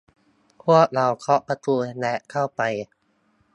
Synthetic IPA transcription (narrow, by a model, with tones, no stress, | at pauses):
pʰu˥˩ək̚ɾa˧wkʰɔ˦˥ʔpa˧t̪uː˧lɛ˦˥ʔkʰa˥˩wpa˧j